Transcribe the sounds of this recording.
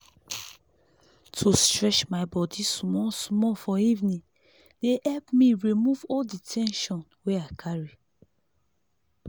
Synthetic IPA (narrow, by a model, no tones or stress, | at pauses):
tʰustɹɛt͡ʃmaɪbɔdismɔsmɔfɔivnĩ | dehɛlpmĩɹimuvɔlditʰɛ̃nʃɔ̃nweaɪkʰaɹi